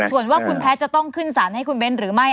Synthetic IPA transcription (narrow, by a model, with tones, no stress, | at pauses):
su˨˩ənwaː˥˩kʰu˧npʰɛː˦˥t͡ɕa˨˩t̪ɔ˥˩ŋkʰɯ˥˩nsaː˩˦nha˥˩jkʰu˧nwe˦˥nɾɯː˩˦ma˥˩j